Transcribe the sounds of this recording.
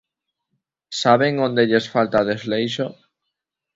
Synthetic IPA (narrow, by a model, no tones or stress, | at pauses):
saβeŋõnd̪eʎesfalt̪aðezlejʃo